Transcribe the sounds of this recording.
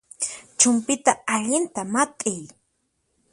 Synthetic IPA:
t͡ʃʊmpɪt̪aːʎɪnt̪amat̪ʼɪj

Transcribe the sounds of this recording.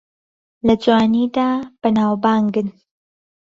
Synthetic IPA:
lɐd͡ʒwaːniːd̪aːb̥ɐnaːwbaːŋɡɨn

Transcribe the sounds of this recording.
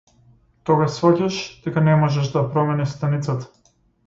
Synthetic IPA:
t̪ɔɡasvɔcʲaʃd̪̥ɛkanɛmɔʒɛʃd̪apɾɔmɛnɛst̪anit̪sat̪ḁ

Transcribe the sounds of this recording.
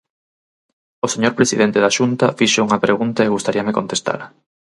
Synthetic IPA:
oseɲoɾpɾesiðent̪eðaʃunt̪ɐfiʃouŋɐpɾeɣunt̪ɐeɣust̪aɾiɐmekont̪est̪a̰lɐ

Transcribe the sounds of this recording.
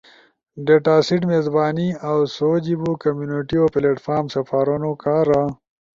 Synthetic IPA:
ɖeʈaːsiʈmezbaːniawsoːd͡ʑibukɐmjuːniʈiopleʈfaːɾmsɐfaːɾunokaːɾa

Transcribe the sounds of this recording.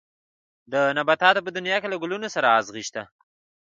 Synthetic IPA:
d̪ənabat̪ɑt̪op̬əd̪ʊnjɑkelaɡʊlunosaɾaːzɣiʃt̪a

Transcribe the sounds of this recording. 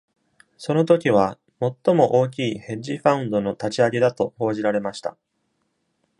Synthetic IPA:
so̞no̞t̪o̞kʲiβ̞a | mo̞t̪ːo̞mo̞ʔo̞ːk̬ʲiːhẽ̞ɲ̟d͡ʑiɸãɯ̟̃nd̪o̞no̞t̪at͡ɕiaɡe̞d̪at̪o̞ho̞ːʑiɾaɾe̞maɕi̥t̪a̰

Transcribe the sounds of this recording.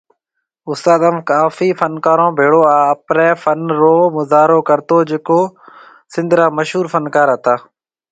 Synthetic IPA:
ʊst̪aːd̪əmkaːfiːfənkaːɾõːbʱeːɽoːaːəpɾɛːfənɾoːmʊzaːɾoːkəɾt̪oːd͡ʒeːkoː | sɪ̃nd̪ʱɾaːməʃɦuːɾfʰənkaːɾɦət̪aː

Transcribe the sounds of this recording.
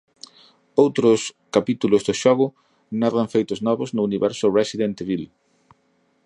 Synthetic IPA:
owt̪ɾʊskapit̪ulʊzðʊʃɔɣʊ | naðaɱfejt̪ʊznɔβʊznʊuniβɛɾsʊresiðent̪eβil

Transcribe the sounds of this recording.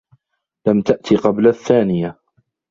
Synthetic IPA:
lamt̪aʔt̪ʰiqɑblaθːaːnɪja

